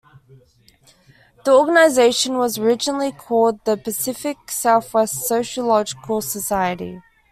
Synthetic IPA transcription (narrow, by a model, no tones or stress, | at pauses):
ðiɔːɡənaɪzeɪʃə̃nwɒzəɹɪd͡ʒənəlikʰɔːlˠd̪̚ðəpəsɪfɪksaʊθwɛstsəʊʃəlɒd͡ʒɪkʰəlˠsəsaɪəɾḭ